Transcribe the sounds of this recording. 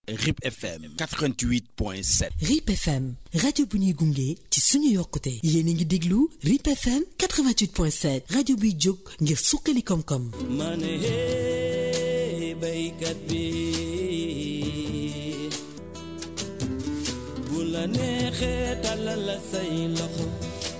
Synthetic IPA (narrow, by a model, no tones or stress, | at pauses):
ripɛfɛ̰mkatɾãntwit̚pwɛ̰̃sɛ̰ripɛfɛmradjobuniɡuŋɡetisunujɔkːutɛjeniŋɡidiɡluripɛfɛmkat̪ɾəvãnt̪wit̚pwɛ̃sɛt̚radjobid͡ʒoɡ̚ŋɡiɾsuqːelikɔmkɔmmanehe | bɐikat̚bi | ɡulɐnɛxɛtalalasɐjilɔxɔ